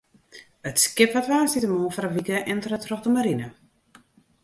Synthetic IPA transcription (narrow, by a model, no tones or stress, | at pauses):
ətskɪpatʋaːsitəmoːfaɾəʋikəʔɛntrətrɔχdəmaɾinə